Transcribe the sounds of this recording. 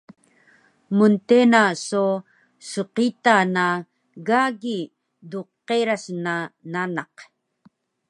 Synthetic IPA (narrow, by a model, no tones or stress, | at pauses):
munt̪enaso | suqit̪ana | ɡaɡi | duqːeɾasnananɑq